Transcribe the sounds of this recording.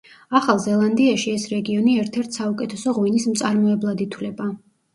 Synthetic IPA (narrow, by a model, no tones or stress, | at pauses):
aχalˠzɛlˠand̪iaʃiɛsɾɛɡiɔniɛɾt̪ʰɛɾt̪ʰsaukʼɛt̪ʰɛsɔʁwinismt̪sʼaɾmɔɛblˠad̪it̪ʰwlɛba